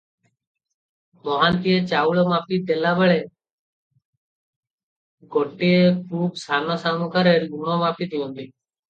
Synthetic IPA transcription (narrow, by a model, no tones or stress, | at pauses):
mɔɦãːnt̪ieːt͡ʃaːuːɭoːmaːpiːd̪eːlaːbəɭeː | ɡoːʈːiekuːpsaːnoːsaːmũːkəɾeːɾjuːmoːmaːpiːt̪ɪjõːnd̪iː